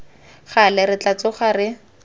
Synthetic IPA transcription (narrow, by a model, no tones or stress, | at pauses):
χalɛɾɪt͡ɬat͡sɔχarɪ